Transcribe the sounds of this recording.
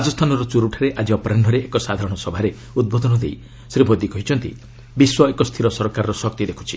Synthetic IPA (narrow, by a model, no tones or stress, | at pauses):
ad͡ʒɔst̪ʰanɔɾɔt͡ʃuɾuʈʰaɾeʔad͡ʒiɔpɔɾaɳɖʱɔɾeekɔsad̪ʱaɾɔɽ̃ɔsɔbʱaɾe | ud̪̚bɔd̪ɔnɔd̪ej | sɾibʱod̪ikɔɦit͡ʃʰɔnt̪ḭ | biswɔekɔst̪ʰiɾɔsɔɾkaɾɔɾɔsɔkt̪id̪ekʰu̥t͡ʃʰi̥